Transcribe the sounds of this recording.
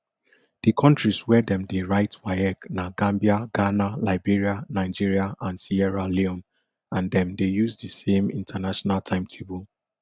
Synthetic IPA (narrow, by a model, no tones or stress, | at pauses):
d̥ikʰɔ̃ntɹiswɛdɛ̃mdeɹaɪtwaɪɛknaɡãmbiaɡ̥analaɪbiɹianaɪd͡ʒiɹiaʔãnsiɛɹaleɔ̃n | ãndɛ̃mdejuzdisẽmḭ̃ntʰənaʃɔnaltʰãɪ̃mtʰebul